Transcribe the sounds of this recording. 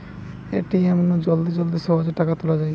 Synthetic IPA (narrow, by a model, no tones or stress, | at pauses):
eʈiɛmonod͡ʑold̪id͡ʑold̪iʃɔɦod͡ʑeʈːakat̪ulad͡ʑaj